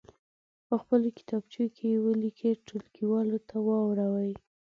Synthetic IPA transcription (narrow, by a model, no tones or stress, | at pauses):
pəxpəlokɪ̥t̪ɑbt͡ʃekʰejewəlikʰəʈʊlkiwɑlot̪awɑwɾawəj